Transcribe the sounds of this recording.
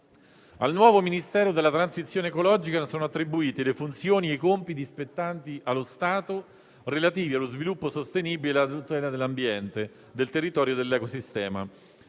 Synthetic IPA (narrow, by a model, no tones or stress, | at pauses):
a̰lnwɔːvominist̪ɛːɾod̪elːat̪ɾansit̪sjoːnekolɔd͡ʒikasoːnoat̪ːɾibuiːt̪elefunt̪sjoːniekompit̪̬ispet̪ːant̪iʔalːost̪aːt̪o | relat̪iːvialːozvilupːosost̪eniːbileat̪ut̪ɛːlad̪elːambjɛnt̪e | d̪elt̪erːit̪ɔːɾjod̪elːɛkosist̪ɛːma̰